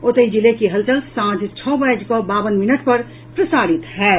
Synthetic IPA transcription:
ʊt̪əid͡ʒɪlekiɦɐlt͡ʃəlsãːd͡ʒt͡ʃʰɔːbajd͡ʒkobaːbənmɪnəʈpɐɾ | pɾɐsaːɾɪt̪ɦɛː

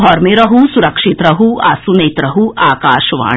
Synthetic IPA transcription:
ɔːɾmeɾɐɦusuɾɐkʂit̪ɾɐɦuʔa̰ːsuneːt̪ɾɐɦuʔaːkaːʃʋa̰ː

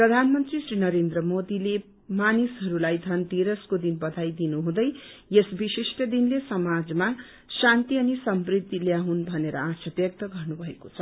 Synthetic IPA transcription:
prʌd̪ʱanmʌnt̪risrinʌɾend̪rʌmod̪ile | manisɦʌɾulajd̪ʱʌnt̪iɾʌskod̪inbʌd̪ʱajd̪inuɦũd̪ʌjjesbisisʈʌd̪inlesʌmad͡zma | sant̪iʌnisʌmbrid̪ːiljaɦunbʱʌneɾʌ̰asʌbjʌk̚t̪ʌɡʌrnubʱʌekot͡sʰʌ

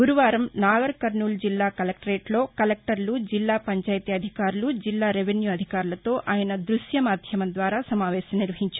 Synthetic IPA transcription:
ɡuɾuʋaːɾɐmnaːɡɐɾkɐɾnuːld͡ʒilːaːkɐlek̚ʈɾeːʈlo̞ːkɐlek̚ʈɐɾlud͡ʒilːaːpɐɲt͡ʃaːjt̪iɐd̪ʱikaːɾulud͡ʒilːaːɾeʋenjuːɐd̪ʱikaːɾulɐt̪o̞ːʔʔaːjɐnɐd̪ɾuʃjɐmaːɾd̪ʱjɐmɐnd̪ʋaːɾaːsɐmaːʋɛːʃɐmniɾʋɐɦiɲt͡ʃa

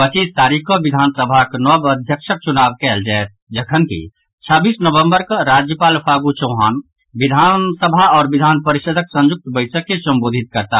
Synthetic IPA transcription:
pət͡ʃiːst̪aːɾikõʋɪd̪ʱaːnsəbʱaknɔbəd̪ʱjəkʃək̚t͡ʃʊnaːʋkɛːld͡ʒaːet̪̚d͡ʒəkʰənkḭ | t͡ʃʰaːbiːsnəʋə̃mbəɾkaɾaːd͡ʒjəpaːlpʰaːɡut͡ʃəːɦaːn | ʋɪd̪ʱaːnsəbʱaɔːɾʋɪd̪ʱaːnpəɾɪʃəd̪ʱəksə̃nd͡ʒʊk̚t̪bəɪsəkːesə̃mboːd̪ʱɪt̪̚kəɾt̪a

